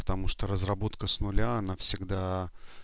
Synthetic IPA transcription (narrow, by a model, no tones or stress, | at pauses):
pə̥t̪ɐmuʂt̪oɾəzrɐbo̞t̪kəsnʊlʲaɐnafsʲɪɡd̪a